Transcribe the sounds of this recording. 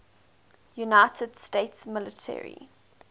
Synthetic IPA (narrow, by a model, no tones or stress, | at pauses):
junaɪtʰəd̥steɪtsmɪlətʰɛ̰ɹḭ